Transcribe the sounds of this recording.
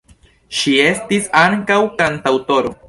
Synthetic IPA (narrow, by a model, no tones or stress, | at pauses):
ʃie̞stisaŋkawkantawto̞ɾo̞̰